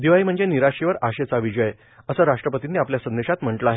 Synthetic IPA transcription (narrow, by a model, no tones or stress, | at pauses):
d̪iʋaim̤əɳd͡zeniɾaɕiʋəɾaɕet͡saʋid͡ʑəj | əsəɾaʂʈɾəpət̪inːiapljasə̃nd̪eɕat̪m̤əɳʈləaɦe